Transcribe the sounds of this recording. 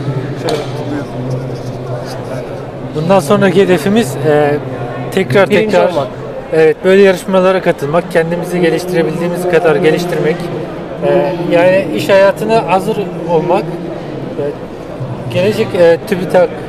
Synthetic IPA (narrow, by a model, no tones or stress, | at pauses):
bund̪anso̞nɾahe̞d̪e̞fimiz̥ɛː | t̪ʰɛcɾaɾt̪ʰɛcɾaɾ | evɛt̪̚bø̞jlʲɛjaɾɯʃmalˠaɾakʰat̪ʰɯlˠmak̚cʰænd̪imiziɟe̞lʲiʃt̪ʰiɾe̞bilʲd̪iːmizkʰad̪aɾɟe̞lʲiʃt̪ʰiɾmɛc | ɛjaːniiʃhajaːt̪ʰɯnaɦazɯɾ | olˠmak | ɟ̥e̞lʲed͡ʒɛcɛt̪ʰybit̪ʰak